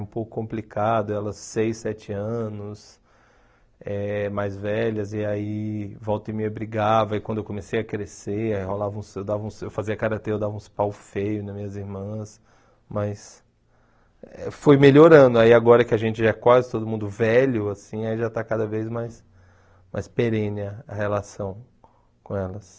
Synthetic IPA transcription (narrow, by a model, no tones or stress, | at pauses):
ũpowkʊ̥kõplikʰad̪ʊɛlɐsːejsɛt͡ʃɪɐ̃nʊs | ɛmajzvɛʎɐzɪaivɔwt̪ɪmiɐbɾiɡavɐikwɐ̃d̪ʊewkõmesejɐkɾeseholavɐũsewd̪avɐũsewfaziɐkaɾat̪ẽewd̪avɐũspawfejʊnɐmĩɲɐziɾmɐ̃s | mɐjs | ɛfojmeʎoɾɐ̃nd̪ʊaiaɡɔɾɐkɪaʒẽnt͡ʃɪʒakwazɪt̪od̪ʊmũnd̪ʊvɛʎʊasĩaiʒat̪akad̪ɐvejzmajs | mʔa̰jspeɾẽnɪɐɐhelasɐ̃w̃ | kõɛlɐs